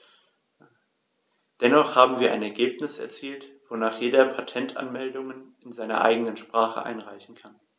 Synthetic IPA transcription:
d̥ɛnɔχhaːbm̩viːɐʔa̰ɪnɛɐɡeːpnɪsɛ̰ɐt͡siːltv̥onaːχjeːdɐpʰatʰɛntʰʔa̰nmɛldʊŋən | ɪnzaɪnɐ̰ʔa̰ɪɡənənʃpʁ̥aːχə̰ʔa̰ɪnʁaɪçn̩kʰan

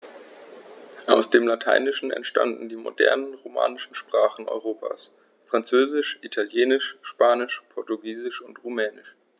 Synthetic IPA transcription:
ʔaʊsd̥eːmlatʰa̰ɪnɪʃn̩ɛ̰ntʃta̰ndn̩diːmo̰dɛ̰ɐnənʁoma̰ːnɪʃn̩ʃpʁ̥aːχn̩ʔɔ̰ʏʁoːpʰa̰ːs | fʁ̥ant͡søːzɪʃʔitʰaljeːnɪʃʃpaːnɪʃpʰɔɐtuɡiːzɪʃʊntʁumɛːnɪʃ

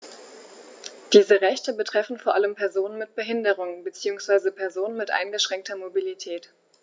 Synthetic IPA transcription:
d̥iːzəʁɛçtəbətʁ̥ɛfn̩foːɐʔaləmpʰɛɐzoːnənmɪt̚b̥əɦɪndəʁʊŋənbət͡siːʊŋsv̥aɪzəpʰɛɐzoːnənmɪtʔa̰ɪnɡəʃʁ̥ɛŋk̚tʰɐmobilitʰɛːt

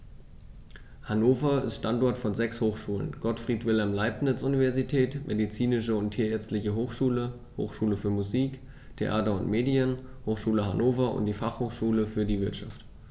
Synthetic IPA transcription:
hanoːfɐɪ̰stʃtantɔɐtfɔnzɛkshoːxʃuːlə̰nɡ̥ɔtfʁ̥iːtv̥ɪlɦɛmlaɪpnɪt͡sʔunivɛɐzitʰɛːtmʔedit͡siːnɪʃəʊntʰːiːɐɛɐt͡stlɪçəɦoːxʃuːlə | ho̰ːxʃuːləfyːɐmuziːk | tʰḛʔaːtɐʊntmeːdiənhoːxʃuːləhanʔoːfɐʊ̰nt̚d̥iːfaχhoːxʃuːləfyːɐdiːvɪɐtʃaft

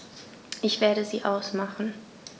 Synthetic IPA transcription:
ʔɪçv̥eːɐɾəziːʔaʊsmaχn̩

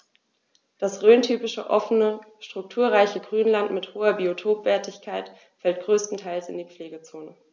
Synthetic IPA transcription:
d̥asʁøːntʰyːpɪʃə̰ʔɔ̰fənəʃtʁ̥ʊk̚tʰuːɐʁaɪçəɡʁyːnlantmɪthoːɐbiotʰoːpv̥ɛːɐtɪçkʰaɪt | fɛltɡ̥ʁøːstn̩tʰaɪlsɪ̰ndiːp͡fleːɡət͡soːnə

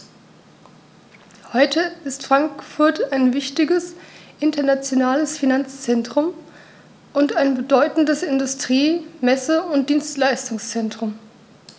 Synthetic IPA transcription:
hɔʏtʰəɪstfʁ̥aŋkfʊɐtʰaɪnvɪçtɪɡəsʔɪntɐnat͡sjonaːləsfinant͡st͡sɛntʁ̥ʊm | ʔʊntaɪnbədɔʏtn̩dəsɪndʊstʁ̥iːmɛsəʊnt̚d̥iːnstlaɪstʊŋst͡sɛntʁ̥ʊm

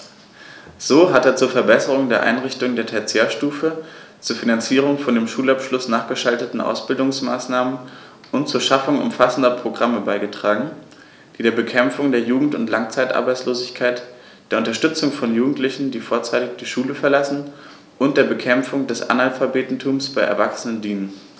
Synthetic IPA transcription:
z̥oːɦateːɐt͡suːɐfɛɐbɛsəʁ̞ʊŋdeːɐʔa̰ɪnʁɪçtʊŋdeːɐtʰɛt͡sjaːɐʃtuːfət͡suːɐfinant͡siːʁ̞ʊŋfɔndeːmʃuːlapʃlʊsnaːχɡ̥əʃaltətn̩ʔa̰ʊsb̥ɪldʊŋsma̰ːsnaːmən | ʔʊntt͡suːɐʃafʊŋʊ̰mfasn̩dɐpʁ̥oɡʁaməbaɪɡətʁ̥aːɡŋ̩ | d̥iːdeːɐbəkʰɛmfʊŋdeːɐjuːɡŋ̩tʊntlaŋt͡saɪtʔa̰ɐbaɪt͡sloːzɪçkʰaɪt | d̥eːɐʊntɐʃtʏt͡sʊŋfɔnjuːɡŋ̩tlɪçn̩diːfoːɐt͡saɪtɪçd̥iːʃuːləfɛɐlasn̩ | ʔʊntd̥eːɐbəkʰɛmfʊŋdɛsʔa̰nalfabeːtn̩tʰuːmsb̥aɪʔɛ̰ɐvaksənəndiːnən

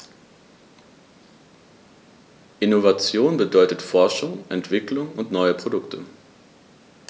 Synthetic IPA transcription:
ʔɪnovat͡sjoːnbədɔʏtətfɔɐʃʊŋʔɛntv̥ɪklʊŋʊntnɔʏəpʁ̥odʊktʰə

